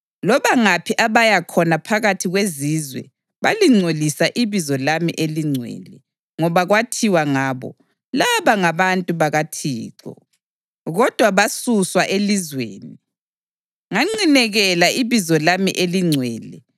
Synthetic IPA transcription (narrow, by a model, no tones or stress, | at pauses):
lɔβaŋapʰiʔaβajakʰɔnapʰaɣatʰiɣweziːzwɛ̰ | βa̰liŋ͡ǀʱolisaʔiβizɔlamḭʔeliŋ͡ǀʱwɛ̰ːlɛ | ŋɔβaɣwatʰiwaŋaːβɔ̰ | laβaŋaβantʼuβaɣatʰiːǃɔ̰ | ɣɔd̥ʱwaβasuswaʔelizwḛːni | ŋaŋ͡ǀinɛɣɛlaiβizɔlamiʔeliŋ͡ǀʱwɛːlɛ